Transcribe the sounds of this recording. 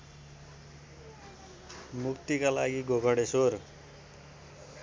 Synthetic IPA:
mukt̪ikala̰ɡiɡoɡʱʌɽesor

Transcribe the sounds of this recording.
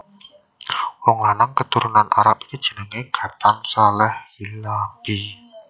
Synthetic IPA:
wɔŋlanaŋkət̪uɾunanʔa̰ɾap̚i̥t̪ud̥ʒ̥ə̤nəŋeɡ̥ä̤t̪ansalɛhilambi

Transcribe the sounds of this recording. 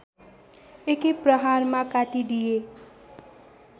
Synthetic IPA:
ekiprʌɦaɾmakaʈ̪id̪ije

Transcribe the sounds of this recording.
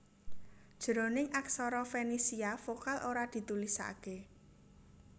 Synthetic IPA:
d̥ʒ̥əɾo̤nɪŋʔaksɔɾɔfenisiafokalʔoɾad̪̥i̤t̪ulisa̰ke

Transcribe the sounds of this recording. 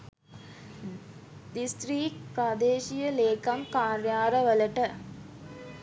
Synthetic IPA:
d̪ist̪ɾiːk̚pɾad̪eːʃijəleːkaŋkaːɾjaːɾəʋələʈə

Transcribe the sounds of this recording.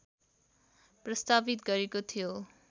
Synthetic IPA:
prʌst̪abit̪ɡʌɾekot̪ʰijo

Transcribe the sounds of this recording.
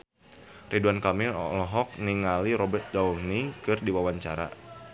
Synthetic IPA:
rʔiduankamɪlɔ̰lɔɦɔk̚niŋaliɾɔbɛrt̪̚daurnikɨrdiwawaɲt͡ʃa̰ɾa̰

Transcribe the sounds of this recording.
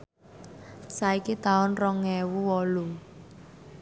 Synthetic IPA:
saikit̪aʊnrɔŋːɛwuwɔlu

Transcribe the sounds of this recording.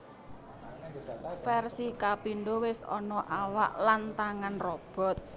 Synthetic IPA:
fɛrsikapiɳɖowɪsɔ̰nɔʔawaʔlant̪aŋanrɔb̥ɔ̤t̪̚

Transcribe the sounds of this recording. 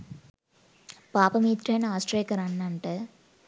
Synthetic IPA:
paːpɐmiːt̪ɾɐjnɐaːsʈɾejkɐɾɐɳːɐɳʈɨ

